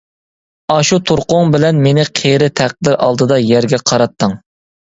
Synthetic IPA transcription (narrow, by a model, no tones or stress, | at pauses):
ɑʃut̪ʰoɾqʊŋbɪlɛnmenɪqʰeɾɪt̪ʰæq̚d̪ɪɾʔɑ̰lˠd̪ɨd̪ɑjæɾɡʲɛqʰɑɾɑt̪ʰːɨŋ